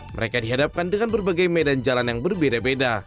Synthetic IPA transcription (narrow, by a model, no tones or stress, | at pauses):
mə̰ɾekadiɦadap̚kandəŋanbərbaɡajmedand͡ʒalanjaŋbərbedabeda